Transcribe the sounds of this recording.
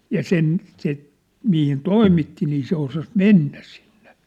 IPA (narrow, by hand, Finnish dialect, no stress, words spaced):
jɑ sen se mihin toimitːi niː se osɑs menːæ si̥n̥ːe̥